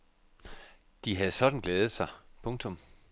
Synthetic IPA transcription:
d̥iɦæð̩ˠsɒ̽d̥n̩ɡ̥leːð̞̩ˠsɑ̈ɪpʰɔ̽ŋt͡sʰɔ̽m

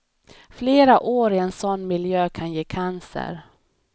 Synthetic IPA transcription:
fleːɾaʔoːɾɪɛnsɔnːmɪljøːkʰanjeːkʰansə̰ɾ

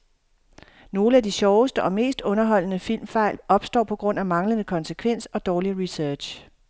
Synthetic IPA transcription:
no̝ːləæd̥iɕɒʊəsd̥əʔɒ̽me̝̰ːsd̥ɔ̽nɐɦɒ̽l̰ənəfil̰mfɑ̈ɪ̰lɒ̽b̥sd̥ɒ̰ːpʰɒ̽ɡ̥ʁɔ̽n̰æmɑ̈ŋlənəkʰɒ̽nsəkʰʋen̰sɒ̽d̥ɒːliʁisœɐ̥ɕ

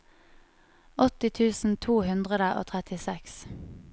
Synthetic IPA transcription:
ɔt̪ɪt̪ʰʉːsn̩t̪ʰuːhʉnd̪ʁəd̪əʔo̰ːt̪ʰʁɛt̪ɪsɛks

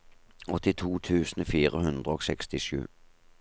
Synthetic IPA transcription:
ɔt̪ɪt̪ʰuːt̪ʰʉːsn̩fiːʁəhʉnd̪ʁəoːsɛkst̪ɪʃʉ̰ː

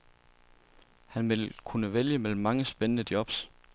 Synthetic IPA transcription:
hænʋe̝lkʰunəʋeljəmel̰m̩ːɑ̈ŋəsb̥enənəd̥jɒ̽b̥s

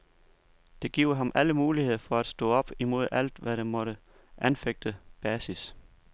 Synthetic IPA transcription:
d̥e̝ɡ̥ḭʊ̰ɦɑ̈mʔæləmuːlihe̝ð̞̰ˠɐfɒ̽æd̥sd̥ɔ̰̽ːɒ̽b̥imo̝ð̞̰ˠæl̰d̥ʋæɾ̥emɒ̽ɾə | ʔænfeɡ̥̚d̥əb̥ɛːsis

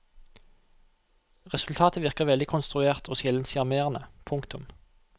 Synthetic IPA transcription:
ʁɛsʉlt̪ʰɑːt̪ʰəʋɪʁkəʁʋɛld̪ɪkʰʊnst̪ʁʉeːʁt̪ʰoːsjɛlənsɪɑmeːʁənəpʰʊŋkt̪ʊm

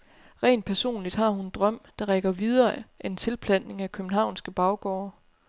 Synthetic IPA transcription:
ʁḛːnd̥̚pʰæɐso̝̰ːnlid̥hɑ̈hund̥ʁɶm̰d̥ɑ̈ʁeɡ̥ɐʋið̞ˠɐːʔænt͡sʰe̝lpʰlæn̰e̝ŋækʰøb̥n̩ɦɑ̈ʊnsɡ̥əb̥ɑ̈ʊɡ̥ɒʊɐ

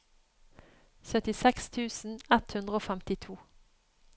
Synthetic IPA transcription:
sœt̪ɪsɛkst̪ʰʉːsn̩ɛt̪hʉnd̪ʁəoːfɛmt̪ɪt̪ʰuː

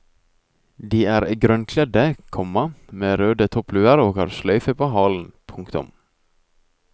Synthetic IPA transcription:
d̪iːæːɾɡɾœnkʰlɛd̪əkʰɔmɑmeːɾøːd̪ət̪ʰɔplʉːɑɾoːkɑ̰ɾslœʏfəpʰoːɦɑːln̩pʰʊŋkt̪ʊ̰m

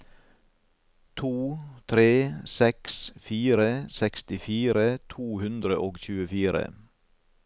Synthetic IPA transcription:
t̪ʰuːt̪ʰɾeːsɛksfiːɾəsɛkst̪ɪfiːɾət̪ʰuːhʉnd̪ɾəʔoːɡçʉːəfiːɾə̰

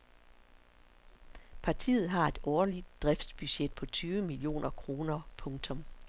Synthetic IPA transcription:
pʰɑ̈t͡sʰḭːð̞̩ˠɦɑ̈e̝d̥ɒːlid̥d̥ʁɛfd̥sb̥yɕed̥̚pʰɒ̽t͡sʰyːʋəmilio̝̰ːnʔɐkʰʁo̝ːnɐpʰɔ̽ŋt͡sʰɒ̽m

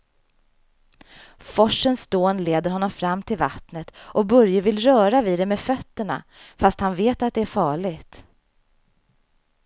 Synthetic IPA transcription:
fɔʂːənsd̪oːnleːd̪əɾhɔnːɔmfɾamːt̪ʰɪlvat̪nət̪ʔɔbɵɾjəvɪlɾœːɾavid̪ɛmeːfœt̪ːəɳa̰ | fast̪hanveːt̪at̪̚d̪ɛæɾfɑːɭɪɡt̪

